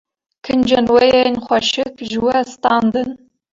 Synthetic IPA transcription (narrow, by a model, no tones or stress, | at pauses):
kʰɨnd͡ʒɐnwɐjɛnχʷɐʃɪkʒwɐst̪aːnd̪ɨn